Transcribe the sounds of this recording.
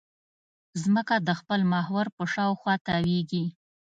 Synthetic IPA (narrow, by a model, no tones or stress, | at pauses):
zməkad̪əxpəlmɑhwaɾpəʃɑwxwɑt̪aweɡi